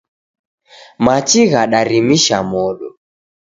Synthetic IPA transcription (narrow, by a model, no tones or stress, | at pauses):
mat͡ʃiɣaɗaɾimiʃamɔɗɔ